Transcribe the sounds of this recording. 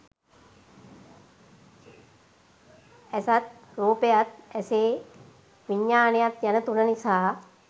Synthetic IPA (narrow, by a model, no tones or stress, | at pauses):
æsat̪̚ɾuːpejat̪æseː | ʋiɲːaːnejat̪janət̪unənisaː